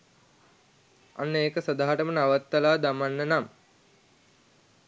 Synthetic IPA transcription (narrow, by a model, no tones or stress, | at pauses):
a̰nːeːkəsəd̪aːɦaʈəmənaʋat̪ːəlaːd̪amanːənam